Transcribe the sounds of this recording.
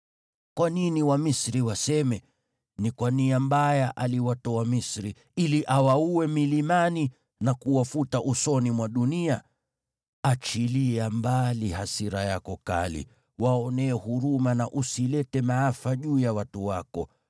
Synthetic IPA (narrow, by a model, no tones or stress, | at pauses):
kwaniniwamisɾiwasɛmɛ | nikwaniambajaʔaliwatɔamisɾi | iliʔawauwɛmilimani | nakuwafutaʔusɔnimwaɗunia | at͡ʃiliambalihasiɾajakɔka̰lḭ | waɔnɛːhuɾumanaʔusilɛtɛmaafaʄuːjawatuwakɔ̰